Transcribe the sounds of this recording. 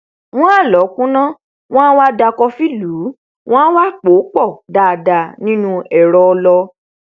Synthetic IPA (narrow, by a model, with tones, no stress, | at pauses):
w̃ɔ̃˦a˦˨lɔ˨˦kũ˦nã˦ | w̃ɔ̃˦wa˦da˧kɔ˧fi˦luː˨˦ | w̃ɔ̃˦wa˦˨k͡po˨˦k͡pɔ˦˨da˨da˨nĩ˦nũ˦ɛ˨ɾɔ˨˧lɔ˧